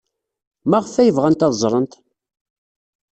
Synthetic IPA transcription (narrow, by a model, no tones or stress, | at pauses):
mæʁfæjəvʁænt̪ɑðzˤɾˤənt̪